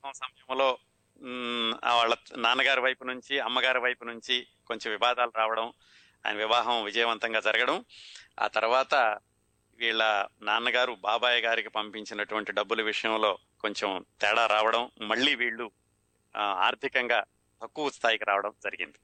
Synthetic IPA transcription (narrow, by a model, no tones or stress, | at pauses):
sɐmɐsɐmɐjɐmlo̞ː | ʋaːɭːɐnaːnɐɡaːɾiʋɐjpunuɲt͡ʃiɐmːɐɡaːɾiʋɐjpunuɲt͡ʃi | ko̞ɲt͡ʃemʋiʋaːd̪aːluɾaːʋɐɽɐm | a̰ːjɐ̰nɐʋiʋaːɦɐmʋid͡ʒɐjɐʋɐnt̪ɐŋɡaːd͡ʒɐɾɐɡɐɽɐma̰ːt̪ɐɾuʋaːt̪ɐ | ʋiːɭːɐnaːnɐɡaːɾubaːbaːjɐɡaːɾikipɐmpiɲt͡ʃinɐʈuʋɐɳʈiɖɐbːuluʋiʂɐjɐmlo̞ː | ko̞ɲt͡ʃemt̪ɛːɽaːɾaːʋɐɽɐmːɐɭːiːʋiːɭːu | a̰ːɾt̪ʰikɐŋɡaː | t̪ɐkːuʋɐst̪ʰaːjikiɾaːʋɐɽɐmd͡ʒɐɾiɡḭnd̪i